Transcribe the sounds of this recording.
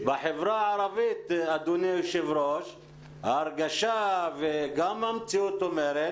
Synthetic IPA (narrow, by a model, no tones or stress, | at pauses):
baħevɾaʕaɾˤɑvit̪ad̪uneʃɪvɾoʃ | haɾɡaʃaveɡamamt͡siut̪omeɾe